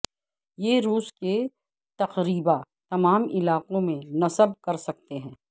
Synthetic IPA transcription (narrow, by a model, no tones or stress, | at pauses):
jeɾuːske | t̪ɐqɾiːba | t̪ɐmaːmɪlaːqõmẽnɐsəbkɐɾsɐk̚t̪eɦɛ̃ː